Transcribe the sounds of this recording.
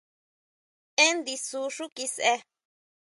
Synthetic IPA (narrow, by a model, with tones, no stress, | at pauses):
ẽ˦nd̪i˧su˧˦ʂu˦ki˧sʔe˧